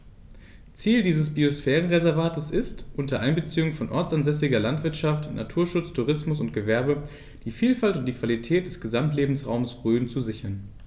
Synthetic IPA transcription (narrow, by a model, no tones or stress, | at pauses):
t͡siːldiːzəsb̥iosfɛːʁənʁezɛɐvaːtəsɪstʔʊntɐʔaɪnbət͡siːʊŋfɔnʔɔɐt͡sanzɛsɪɡɐlantv̥ɪɐtʃaftnʔa̰tʰuːɐʃʊt͡stʰuʁ̞ɪsmʊsʊntɡ̥əvɛɐbə | d̥iːfiːlfaltʊnt̚d̥iːkv̥alitʰɛːt̚d̥ɛsɡ̥əzamtleːbm̩sʁa̰ʊmsb̥ʁyːənt͡suzɪçɐn